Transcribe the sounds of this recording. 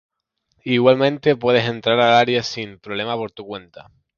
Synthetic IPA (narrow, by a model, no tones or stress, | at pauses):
iɣwalmẽ̞nt̪e̞pwe̞ð̞e̞se̞nt̪ɾaɾalaɾjesimpɾole̞mapo̞ɾt̪ukwe̞nt̪a